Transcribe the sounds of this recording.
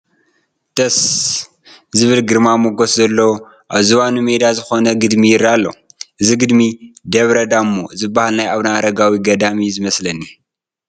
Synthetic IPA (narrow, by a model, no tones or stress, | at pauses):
t̪ɐs | zɨβɨlɡɨɾmamoɡoszɐlːo | ʔaβzuβanumed̪azɨxo̞nɐɡɨd̪mijɪɾːalːo̰ʔɨziɡɨd̪mid̪ɐβɾɐd̪amːoɨzɨbːahalnajaβnaɾɐɡawiɡɐd̪amizɨmɐslɐnːi